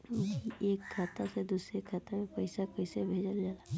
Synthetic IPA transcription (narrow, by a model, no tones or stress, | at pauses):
iʔeːkʰːaːt̪ased̪uːsɾekʰaːt̪amẽpəɪsakəɪsebʱeːd͡ʒəld͡ʒaːlaː